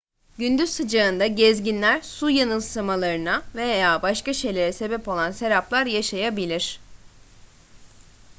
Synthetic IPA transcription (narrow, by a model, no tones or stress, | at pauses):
ɟynd̪yzsɯd͡ʒaɯnd̪aɟɛzɟinlʲæɾsujanɯnsamalˠaɾɯnave̞jjaːbaʃkaʃe̞jlʲe̞ɾɛse̞bɛpo̞lˠanse̞ɾaplˠaɾjaʃajabilʲiɾ̥